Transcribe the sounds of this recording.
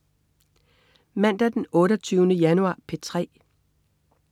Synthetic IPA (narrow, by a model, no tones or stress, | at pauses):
mæn̰d̥æd̥enɔ̽ːɾɐt͡sʰyːʊnəjænuɑ̰̈ːpʰet͡sʰʁɛ̰ː